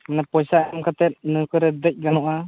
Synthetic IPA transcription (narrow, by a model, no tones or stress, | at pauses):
manapɔjsaamkʰat̪ɛt̪̚nɯkʰɯɾɛd̪əc̚ˀɡanɔʔa